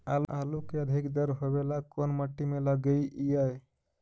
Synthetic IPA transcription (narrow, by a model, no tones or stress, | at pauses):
alalukeəd̪ʱikd̪əɾɦobelakonməʈːimeləɡəiʔijəj